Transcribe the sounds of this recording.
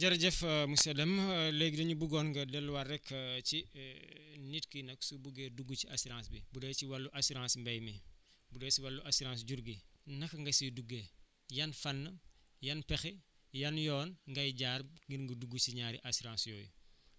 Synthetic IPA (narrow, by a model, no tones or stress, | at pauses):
d͡ʒɐɾɟɛfɐmusɛdɐmlɛɡdɐɲubuɡɔːnŋɡɐdɛlːwɐɾɛkʰːt͡ʃi | nitkinɐksubuɡeduɡut͡ʃiasiɾãːsbibudɛːt͡ʃiwɐlːuʔɐsuɾãːnsmbɐjmi | budɛsiwɐlːuʔɐsuɾãːns̬ɟuɾɡinɐkŋɡɐsiduɡeː | jɐnfɐnːɐ | jɐnpɛxi | jɐnjɔːnŋɡɐjɟaːɾŋɡiɾŋɡuduɡːut͡ʃiɲaːɾḭʔɐsiɾãːnsjɔːjṵ